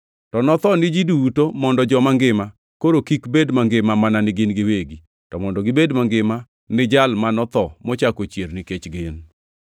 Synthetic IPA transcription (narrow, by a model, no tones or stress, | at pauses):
tɔnɔt̪ɔnɪd͡ʒiduwutomɔndɔd͡ʒɔmaŋɡɪma | koɾokikbedmaŋɡɪmamananɪɡɪnɡɪweɡi | tɔmɔndɔɡɪbedmaŋɡɪma | nɪd͡ʒalmanɔt̪ɔmɔt͡ʃakot͡ʃernɪket͡ʃɡɪn